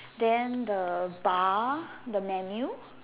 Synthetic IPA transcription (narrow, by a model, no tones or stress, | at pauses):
d̪ɛ̃nd̪əbad̪əmɛmju